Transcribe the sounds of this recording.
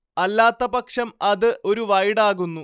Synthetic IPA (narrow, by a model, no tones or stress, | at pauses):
ɐlːaːt̪ːɐbɐkʂɐmɐðɨʔo̞ɾuʋɐjɽaːɣunːu